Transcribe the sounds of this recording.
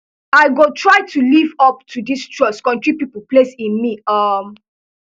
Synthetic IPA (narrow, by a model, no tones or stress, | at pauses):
aɪɡotʰɹaɪtulivɔp̚tʰudistɹɔskɔ̃ntɹipipəl̩plesĩnmiʌm